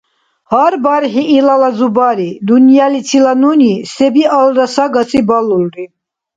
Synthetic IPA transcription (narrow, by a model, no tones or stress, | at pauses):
haɾbaɾχiʔːlalazubaɾid̪unjalit͡sʰilanunisɛbialɾasaɡasʰibalulɾi